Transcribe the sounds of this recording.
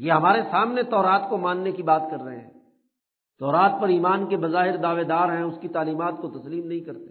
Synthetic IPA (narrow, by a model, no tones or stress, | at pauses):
jeːɦɐmaːɾesaːmnet̪ɔːɾaːt̪komãːnːekibaːt̪kɐɾːɐɦḛ̃ɦɛ̰̃ː | t̪ɔːɾaːt̪̚pɐɾiːmaːnkebɐzaːɦɪɾd̪aːʋed̪aːɾɦɛ̃ʊskit̪aːliːmaːt̪kot̪ɐsliːmnɐɦĩkɐɾt̪e